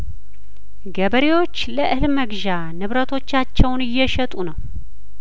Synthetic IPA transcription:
ɡəβəɾewo̞t͡ʃːləʔɨhlməɡʒa | nɨβɾət̪ʰo̞t͡ʃːat͡ʃːɛwnɨjːɛʃɛt̪ʼunəw

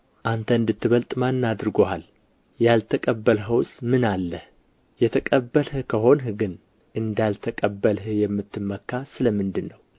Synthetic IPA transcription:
ʔant̪ʰəɨnd̪ɨt̪ʰːɨβəlt̪ʼmanːad̪ɾɨɡoal | jalt̪ʰəkʼəbːəlɦəwsʼmɨnalːəh | jɛt̪ʰəkʼəbːəlhɨkʰəɦo̞nhɨɡɨn | ʔɨnd̪alt̪ʰəkʼəbːəlhɨjɛmːɨt̪ʰːɨmːəkːasɨləmɨnd̪ɨnːəw

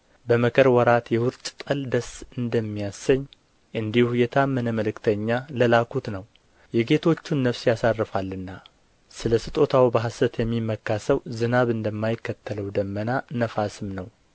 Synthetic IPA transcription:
bəməkʰəɾwɔɾat̪jɛwʊɾt͡ʃʼt̪ʼəld̪əsɨnd̪əmːijasːəɲː | ʔɨnd̪ihujɛt̪ʰamːənəməlɨkt̪ʰəɲːaləlakʰut̪nəw | jɛɡe̞t̪ʰo̞t͡ʃːunːəfsjasarːɨfalːɨnːa | sɨləsɨt̪ʼo̞t̪ʰawbəɦasət̪jɛmːimːəkːasəwzɨnaβɨnd̪əmːajɪkːət̪ʰːələwd̪əmːənanəfasɨmnəw

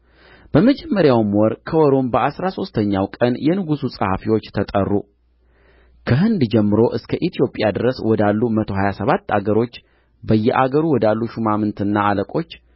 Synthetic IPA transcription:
b̥əməd͡ʒɛmːəɾjawmwɔɾkʰəwɔɾo̞mbəʔasɾaso̞st̪ʰəɲːawkʼənjɛnɨɡususʼə̰ha̰fiwo̞t͡ʃːt̪ʰət̪ʼərːṵ | kʰəɦɨnd̪d͡ʒɛmːɨɾo̞ʔɨskʰəʔit̪ʰijo̞pʼjad̪ɨɾəswɔd̪alːumət̪ʰo̞ɦajasəβat̪ːa̰ɡəɾo̞t͡ʃː | bəjːɛʔa̰ɡəɾuwɔd̪alːuʃumamɨnt̪ɨnːaaləkʼo̞t͡ʃː

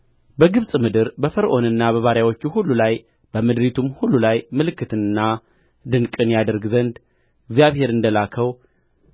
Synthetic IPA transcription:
bəɡɨβsʼmɨd̪ɨɾbəfəɾʔo̞nɨnːaβəβaɾjawo̞t͡ʃːuhulːulaj | b̥əmɨd̪ɾit̪ʰumhulːulajmɨlɨkːɨt̪ʰɨnɨnːa | d̪ɨnkʼɨnjad̪əɾɡzənd̪ | ɪɡzijaβhe̞ɾɨnd̪əlakʰəw

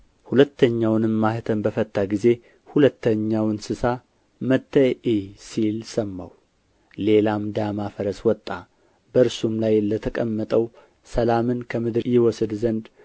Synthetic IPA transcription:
hulət̪ʰːəɲːawnɨmːahɨt̪ʰəmbəfət̪ʼːaɡize̞ | hulət̪ːəɲːawɨnsɨsa | mət̪ʰːəjʔisilsəmːa̰w | le̞lamd̪amafəɾəswɔt̪ʼːa | bəɨɾsumlajlət̪ʰəkʼəmːət̪ʼəw | səlamɨnkʰəmɨd̪ɨɾjɪwɔsɨd̪zənd̪

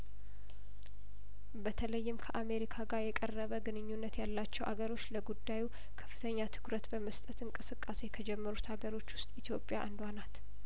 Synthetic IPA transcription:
bət̪ʰələjːɪmkʰəʔame̞ɾikʰaɡaɾjɛkʼərːəβəɡɨnɨɲːunːət̪jalːat͡ʃːɛwʔa̰ɡəɾo̞t͡ʃːləɡud̪ːaju | kʰə̥fːɨt̪ʰəɲːat̪ʰɨ̥kɾət̪bəməst̪ʼət̪ɨŋkʼɨsɨkʼːase̞kʰəd͡ʒɛmːəɾut̪aɡəɾo̞t͡ʃːwʊst̪ʼit̪ʰjopʼjaʔa̰nd̪wanat̪

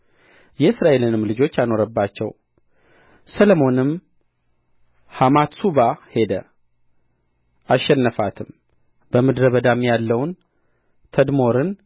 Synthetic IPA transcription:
jɛɨsɾaʔe̞lɨnɨmlɨd͡ʒo̞t͡ʃːajno̞ɾəbːat͡ʃːɛ̰w | səlomo̞nɨm | hamat̪subahe̞d̪ə̰ | ʔaʃːɛnːəfat̪ʰɨm | bəmɨd̪ɾəβəd̪amjalːəwn | t̪ʰəd̪mo̞ɾɨn

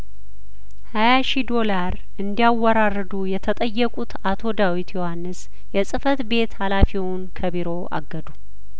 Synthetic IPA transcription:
hajaʃid̪o̞laɾ | ɨnd̪ijawɔɾarːɨd̪ujɛt̪ʰət̪ʼəjːɛkʼut̪at̪ʰo̞d̪awit̪jo̞hanːɨs | jɛsʼɨfət̪be̞t̪halafiwʊnkʰəβiɾo̞ʔa̰ɡːəd̪u

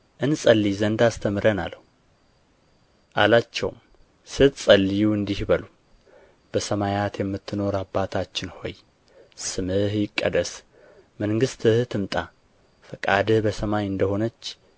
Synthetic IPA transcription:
ʔɨnsʼəlːizənd̪ast̪ʰəmɨɾəna̰lːəhu | ʔalat͡ʃːɛ̰wm | sɨt̪sʼəlːijuɨnd̪ihbəlu | b̥əsəmajat̪jɛmːɨt̪ʰːɨno̞ɾabːat̪ʰat͡ʃːɪnho̞̰j | sɨmɨhjɪkʼːə̰d̪əs | məŋɡɨst̪ʰɨht̪ʰɨmt̪ʼa | fəkʼad̪ɨhbəsəmajɨnd̪əho̞nət͡ʃː

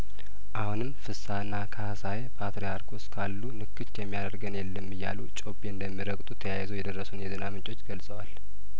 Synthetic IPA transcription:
ʔahunɨmːfɨsːanːakʰahasajepʰat̪ɾijaɾkʰoskʰalːunɨkːɨt͡ʃːjɛmːijad̪əɾɡənjɛlːəmːɨjːa̰lut͡ʃʼo̞pʼːeɨnd̪əmːiɾəkʼt̪ʼut̪ʰəjajzojɛd̪ərːəsunjɛzɨnamɨt͡ʃʼo̞t͡ʃːɡəlsʼəwal

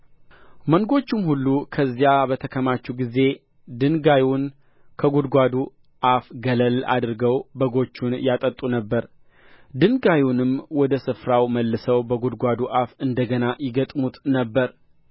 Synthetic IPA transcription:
məŋɡo̞t͡ʃːumhulːukʰəzːjabət̪ʰəkʰəmat͡ʃːuɡize̞ | d̪ɨnɡajun | kʰəɡud̪ɡʷad̪u | ʔafɡələla̰d̪ɨɾɡəwbəɡo̞t͡ʃːunjat̪ʼət̪ʼunəbːəɾ | d̪ɨnɡajunɨmwɔd̪əsɨfɾawməlːɨsəwbəɡud̪ɡʷad̪uʔafɨnd̪əɡənajɪɡət̪ʼmut̪nəbːəɾ

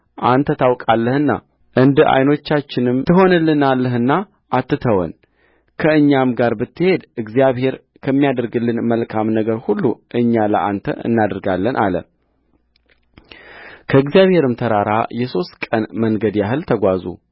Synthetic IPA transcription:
ʔant̪ʰət̪ʰawkʼalːəhɨnːa̰ | ʔɨnd̪ʔa̰jno̞t͡ʃːat͡ʃːɪnɨmt̪ʰɨɦo̞nɨlːɨnalːəɦɨnːa | ʔat̪ːɨt̪ʰəwə̰n | kʰəɨɲːamɡaɾbɨt̪ːɨhe̞d̪ʔɨɡzijaβhe̞ɾ | kʰəmːijad̪əɾɡɨlːɨnməlkʰamnəɡəɾhulːuʔɨɲːalə̰ʔant̪ʰə̰ʔɨ̰nːad̪ɾɡalːənʔa̰lə̰ | kʰəɨɡzijaβhe̞ɾɨmt̪ʰəɾaɾa̰jɛso̞st̪kʼənməŋɡəd̪jaɦɨlt̪ʰəɡʷazṵ

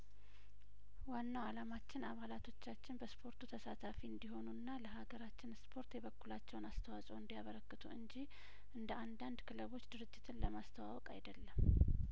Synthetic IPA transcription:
wanːawalamat͡ʃːɪnaβalat̪ʰo̞t͡ʃːat͡ʃːɪnbəspʰo̞ɾt̪ʰut̪ʰəsat̪ʰafiɨnd̪iɦo̞nuɨnːaləɦaɡəɾat͡ʃːɪnspʰo̞ɾt̪jɛβəkːulat͡ʃːɛwnast̪ʰəwasʼəwɨnd̪ijaβəɾəkːɨt̪ʰṵɨɲd͡ʒi | ʔɨnd̪əʔand̪and̪kʰɨləβo̞t͡ʃːd̪ɨɾɨd͡ʒːɪt̪ʰɨnləmast̪ʰəwa̰wɔkʼa̰jd̪əlːəm

